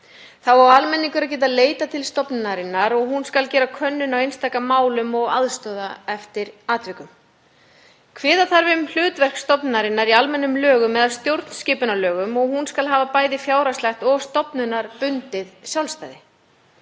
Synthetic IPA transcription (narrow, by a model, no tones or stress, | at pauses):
θawaalmɛnːiŋkʏɾac̬ɛːt̪̬aðleːjt̪at̪ʰɪlst̪ɔpnnaɾɪnːaɾɔɣɦunskalcɛːɾakʰœnːʏnawejnst̪ajkamaːwlʏmɔɣaðst̪ɔːðaɛft̪ɪɾaːt̪vɪkʏm | kʰvɛːðaθaɾvɪʏml̥ʏːt̪vɛr̥kst̪ɔpnaɾɪnːaɾialmɛnːʏmlœːɣʏmːɛðalst̪jowɾt̪n̥scɪːpʏnalœːɣʏmɔɣhunskalɦaːvapaːjðɪfjaːwɾaslaxt̪ɔɣst̪ɔpnʏnːaɾpʏnt̪ɪðsjawlst̪aːjðɪ